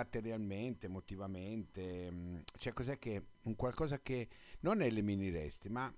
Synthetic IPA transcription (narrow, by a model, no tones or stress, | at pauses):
at̪eɾjalment̪emot̪ivament̪e | t͡ʃɛkːozɛk̟ːeuŋkwalkɔːzak̟enonɛleminiɾɛst̪ima